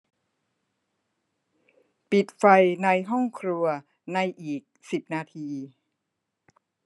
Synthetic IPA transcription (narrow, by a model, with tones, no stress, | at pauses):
pi˨˩t̪̚fa˧jna˧jɦɔ˥˩ŋkʰɾu˧ɐ | na˧jʔiː˨˩k̚si˨˩p̚naː˧t̪ʰiː˧